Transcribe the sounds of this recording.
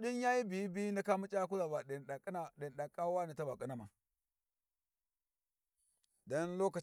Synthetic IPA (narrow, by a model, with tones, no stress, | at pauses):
ɗi˦nja˦ji˦bi˨˦bi˦na˨ka˦mu˦t͡ʃʼa˦ku˦la˨ba˨ɗa˨kna˨ɗi˨n˨ɗa˨kʼːa˦wa˦na˨ta˦ba˨kʼi˦na˨ma˨ | da˦nlo˦ka˨